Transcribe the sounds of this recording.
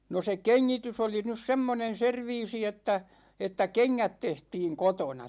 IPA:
no se keŋːitys oli nys semːonen̞ serʋiːsi etːæ etːæ keŋːæt tehtiːŋ kotonɑ

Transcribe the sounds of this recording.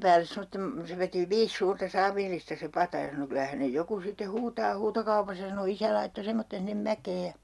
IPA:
pæːles semotːem se ʋeti ʋiːs suːrtɑ sɑːʋilːistɑ se pɑtɑ jɑ sɑno kylæ hænej joku sitːe huːtɑː huːtokɑupɑsɑ sɑno isæ lɑitːo semːotːen sinːem mækeː jɑ

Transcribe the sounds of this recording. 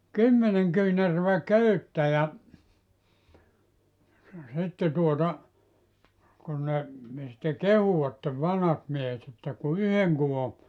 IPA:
kymːeneŋ kyːnærøʋæ køytːæ jɑ sitːe tuotɑ kun ne sĭtːe kehuw̆ɑtːeʋ ʋɑnhɑt miehet etːæ ku yheŋ kuʋo

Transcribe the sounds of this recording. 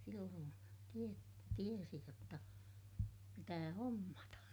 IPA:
silːoːn tie tiesi jotːɑ pitæː homːɑtɑ

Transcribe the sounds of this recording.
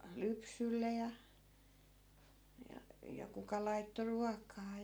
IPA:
lypsylːe jɑ jɑ jɑ kukɑ lɑitːo ruɑkˑɑː

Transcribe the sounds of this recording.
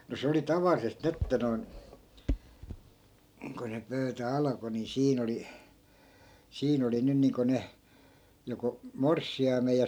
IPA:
no se oli tɑʋɑlːisest ni etːæ noi̯n ko ny pøytæ ɑlɑ̆ko ni siːn oli siːn oli nyn niːŋko ne joko morsːiɑimej jɑ

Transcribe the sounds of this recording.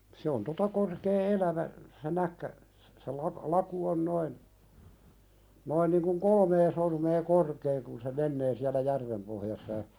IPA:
se on totɑ korkeː elæʋæ se nækːæ se lɑk lɑku on noin noin niŋ kuŋ kolmeː sormeː korkeː kun se menːeː siælæ jærʋem pohjɑsːɑ jɑ

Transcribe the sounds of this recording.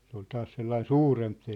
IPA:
se ol tɑːs selːɑin suːremp

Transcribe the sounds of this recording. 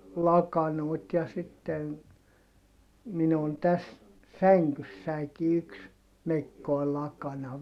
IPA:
lɑkɑnoˑit jɑ sitːen minu on tæs sæŋkysːæiki yks mekːoi lɑkɑnɑ

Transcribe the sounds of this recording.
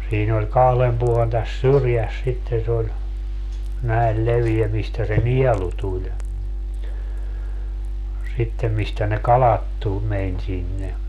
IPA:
siːn olʲ kɑhlem puolen tæs syrjæs sitːen̞ se olʲ næel leʋiɛ mistæ se niɛlu tulʲ sitːem mistæ ne kɑlɑt tu menʲ sinːe

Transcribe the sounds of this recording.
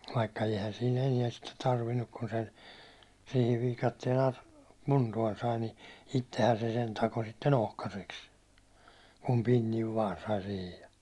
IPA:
ʋɑikːɑ eihæn siːn eniɛn sitːe tɑrʋinːuk kun se siːhi ʋiːkɑtːien ɑ kuntuɒn sɑi ni itːehæn se sen tɑko sitːen ohkɑseks kum pinːiʋ ʋɑːn sɑi sihij jɑ

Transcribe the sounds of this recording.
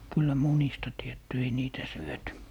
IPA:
kylːæ munistɑ tietːy ei niːtæ syøty

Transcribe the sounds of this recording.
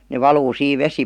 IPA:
ne ʋɑluː siːʋ ʋesi

